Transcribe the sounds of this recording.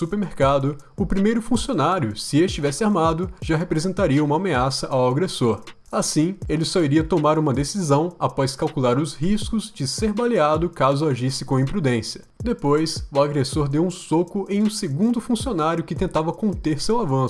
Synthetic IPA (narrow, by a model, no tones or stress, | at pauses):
supeɾmeɾkad̪ʊ | ʊpɾimejɾʊfũsionaɾjʊsɪest͡ʃivɛsɪaɾmad̪ʊʒaɦepɾezẽnt̪aɾiɐũmɐːmeasɐʔawaɡɾesoɾ | asĩelɪsɔiɾiɐt̪omaɾũmɐd̪esizɐ̃w̃apɔskawkulaɾʊshiskʊzd͡ʒɪseɾbaliad̪ʊkazʊaʒisɪkõĩpɾud̪ẽsiɐd̪epojsʊaɡɾesoɾd̪ewũsokʊʔẽj̃ũseɡũnd̪ʊfũsionaɾjʊkɪt̪ẽnt̪avɐkõnt̪eɾsewavɐ̃